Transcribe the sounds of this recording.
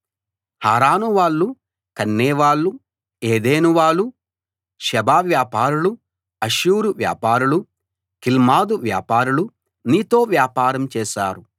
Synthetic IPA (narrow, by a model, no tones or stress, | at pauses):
haːɾaːnuʋaːɭːu | kɐnːɛːʋaːɭːu | eːd̪eːnuʋaːɭːu | ʃɛbaːʋjaːpaːɾulu | ɐʃuːɾuʋja̰ːpaːɾulu | kilmaːd̪uʋja̰ːpaːɾulu | niːt̪o̞ːʋjaːpaːɾɐmt͡ʃɛːʃaːɾu